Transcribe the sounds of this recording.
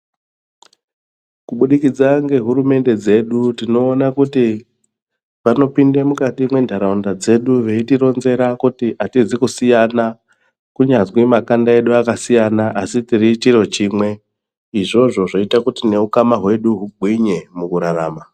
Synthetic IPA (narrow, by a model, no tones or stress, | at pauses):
kuɓuɗikid͡zaŋɡe̞ɦuɾume̞nde̞d͡ze̞ɗutino̞ːnakuti | ʋano̞pindemukatimwe̞ndʱaɾaundad͡ze̞ɗuʋe̞itiɾo̞nze̞ɾakutiʔatizikusijana | kuɲazwimakandae̞ɗuakasijanaʔasitirit͡ʃiro̞t͡ʃiːmwe̞ | iʐo̞ʐo̞ʐoitakutine̞ukamaɦwe̞ɗuɦuɡʱwiɲe̞mukuɾara̰ːma